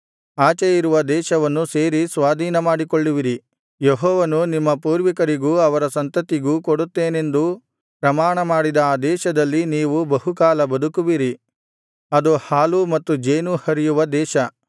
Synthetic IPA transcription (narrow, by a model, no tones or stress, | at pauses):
aːt͡ʃejiɾuʋɐd̪ɛːʃɐʋɐnːuse̞ːɾisʋaːd̪ʱiːnɐmaːɽikoɭːiʋiɾi | jeɦɔːʋɐnunimːɐpuːɾʋikɐɾiɡuːɐʋɐɾɐsɐnt̪ɐt̪iɡuːkoɽut̪ːeːne̞nd̪u | pɾɐmaːɳɐmaːɽid̪ɐːd̪ɛːʃɐd̪ɐlːiniːʋubɐɦukaːlɐbɐd̪ukuʋiɾi | ɐd̪uhaːlumɐt̪ːud͡ʒeːnuhɐɾijuʋɐd̪ɛːʃɐ